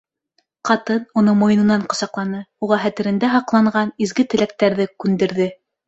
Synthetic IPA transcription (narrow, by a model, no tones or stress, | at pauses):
qɑt̪ɤnunɤmojɤ̆nɤ̆nɑɴqŏsɑqlˠɑnɤuʁɑɦæt̪ɘ̆ɾɘ̆nd̪æɦɑqlˠɑɴɢɑnizɡɘt̪ɘ̆læk̚t̪æɾðɘkʉnd̪ɘ̆ɾðɘ